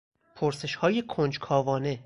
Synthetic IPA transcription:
pʰoɾse̞ʃhɒːje̞kʰond͡ʒkʰɒːvɒːne̞

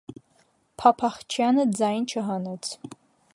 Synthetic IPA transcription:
pʰapʰaχt͡ʃʰanɨd͡zaːjnt͡ʃʰaɦanɐt͡sʰ

